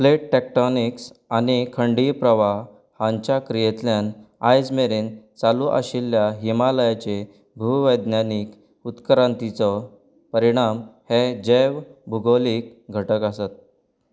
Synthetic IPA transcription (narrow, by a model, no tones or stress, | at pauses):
pleʈʈɛk̚ʈɔniksanikʰəɳɖipɾəʋa | hãɲt͡ɕakɾijet̪ljanajd͡zmeɾiːnt͡saluʔa̰ɕilːjaɦimaləjat͡ɕe | bʱuʋəjd̪njaniːk | ut̪kɾãnt̪it͡sɔ | pəɾiɽ̃amhed͡ʑeʋbʱuɡoliːk̚ɡʱəʈəkasat̪̚